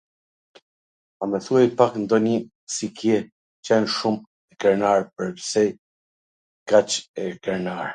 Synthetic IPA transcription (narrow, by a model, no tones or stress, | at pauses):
amɛθuajpaknd̪ɔni | sikjɛ | t͡ʃɛnʃum | ɛkɛɾnaɹpəɾpsɛj | kat͡ʃɛkɛɾnaɾ